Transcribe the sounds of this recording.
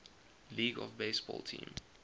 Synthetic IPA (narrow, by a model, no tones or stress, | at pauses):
liːɡɔ̰vbeɪsb̥ɔ̰ːlˠtʰḭ̃ːm